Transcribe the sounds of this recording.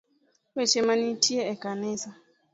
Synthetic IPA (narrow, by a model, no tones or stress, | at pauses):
wɛt͡ʃɛmanĩtʰiɛɛkanɛsa